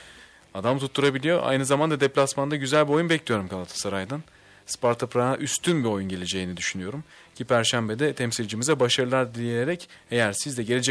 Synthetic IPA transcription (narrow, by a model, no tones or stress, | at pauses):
ad̪amt̪ʰut̪ʰːuɾabilʲijoʔa̰jnɯzamand̪ad̪ɛplʲasmand̪aɟyzælʲbio̞junbɛclʲijo̞ɾumkʰalˠat̪ʰḁsaɾajd̪an | spaɾt̪ʰɯpɾaaʔyst̪ʰynbio̞junɟe̞lʲed͡ʒe̞jinid̪yʃynyjo̞ɾum | cʰipʰæɾʃæmbed̪ɛt̪ʰɛmsilʲd͡ʒimizɛbaʃaɾɯlˠaɾd̪ije̞ɾɛc | e̞jæɾsizd̪ɛɟe̞lʲe̞d͡ʒɛ